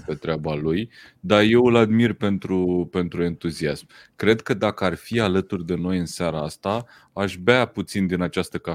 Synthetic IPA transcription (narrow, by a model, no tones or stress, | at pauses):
pe̞t̪ɾeabaluj | d̪arje̞wɨlad̪mirpe̞nt̪ɾupe̞nt̪ɾue̞nt̪uziasm | kɾe̞d̪kəd̪akəarfialət̪urʲd̪e̞no̞jɨnsaɾaast̪a | aʃbaput̪sind̪inat͡ʃast̪əka